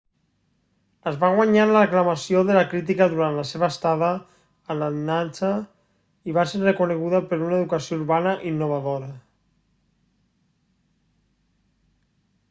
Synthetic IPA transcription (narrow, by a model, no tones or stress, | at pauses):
əzβaɣ̞waɲanləəklamasioðəlakɾit̪̬ikəðuɾant̪ləseβəst̪aðəː | lanant͡sə | iβaseɾrekuneɣ̞uðəpəɾunaeðukəsjouɾβanəʔinːuβ̞aðoɾə